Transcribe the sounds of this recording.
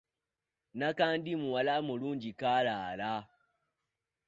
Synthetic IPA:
nakandimuwalamuluːɲd͡ʒikalaːla

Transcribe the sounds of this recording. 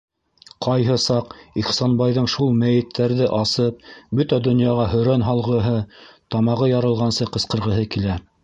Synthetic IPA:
qɑjɦɤsɑqiχsɑnbɑjðɤɴʃulˠmæjɘ̆t̪ʰːæɾðɘʔɑsɤp̚bɵt̪æd̪ŏnjɑʁɑɦɵ̆ɾænɦɑlˠʁɤ̆ɦɤt̪ɑmɑʁɤjɑɾɤ̆lˠʁɑnsɤqɤ̆sqɤ̆ɾʁɤ̆ɦɤkilæ

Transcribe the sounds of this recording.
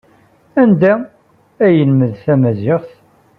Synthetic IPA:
ænd̪æ | æjəlməðθæmæzɪʁθ

